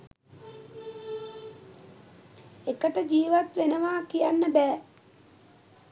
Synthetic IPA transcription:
ekəʈəd͡ʒiːʋat̪ʋenəʋaːkijanːəbɛː

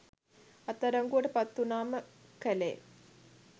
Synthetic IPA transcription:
ɐt̪ːɐɾɐŋɡuɐʈepɐt̪ːunaːməkɐlḛː

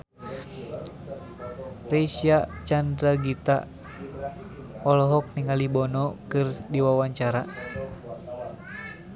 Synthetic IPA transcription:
rɛsiat͡ʃandɾaɡit̪a̰ | ɔlɔɦɔk̚niŋalibɔnɔkɨrdiwawaɲt͡ʃaɾa

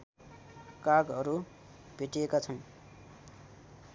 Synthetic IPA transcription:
kaɡʌɾu | bʱeʈiekat͡sʰʌn

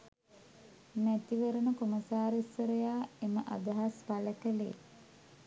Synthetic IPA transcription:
mæt̪iʋəɾənəkoməsaːɾesəɾəjaːeməʔa̰d̪ɐɦaspaləkəlḛː

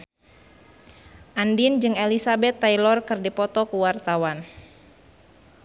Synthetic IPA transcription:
ʔandind͡ʒɨŋelisabɛt̪ːailɔrkɨrdipɔt̪ɔkuwart̪awan

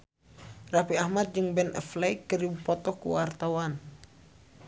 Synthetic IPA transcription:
rafiahmat̪̚d͡ʒɨŋbɛnʔɛ̰flɛjkəɾibupɔt̪ɔkṵwart̪awan

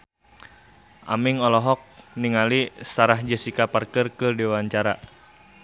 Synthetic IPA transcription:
ʔa̰miŋɔlɔɦɔk̚niŋalisaɾahd͡ʒəsikaparkərkɨrdiwaɲt͡ʃaɾa

